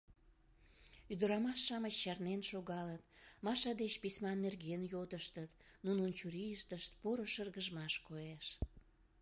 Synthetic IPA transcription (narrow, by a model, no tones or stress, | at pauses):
yd̪əɾɑmɑʃːɑmət͡ɕːɑrnenʃoɣɑlət̪mɑʃɑd̪et͡ɕpisʲmɑnːerɣeənjod̪əʃt̪ət̪nununt͡ɕuɾijəʃt̪əʃt̪poɾəʃərɣəʒmɑʃkoeʃ